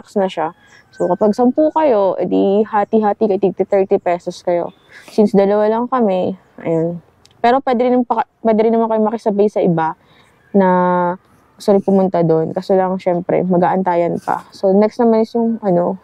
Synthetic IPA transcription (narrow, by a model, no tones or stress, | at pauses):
aksnɐʃa | so̞kɐpaɡ̚sɐmpuːkɐjo̞ʔɛ̰d̪ihaːt̪iɦaːt̪ikɐʔɪt̪iɡ̚t̪ɪt̪ɛɹt̪ipɛːsoskɐjo̞̰ | sinsd̪ɐlɐwalɐŋkɐmɛ | ʔɐ̰jon | pɛːɾo̞pwɛːd̪ɪɾɪnnpɐpwɛːd̪ɛɾɪnːɐmankɐjomɐkɐsɐbajsɐʔɪba | nɐ | ɡʊst̪ʊɾɪŋpʊmʊnt̪ad̪onkɐsolɐŋʃɛmpɾɛ̰mɐɡaːʔɐnt̪aːjɐnpɐ̰so̞nɛkst̪nɐmanɪsjʊŋʔɐno̞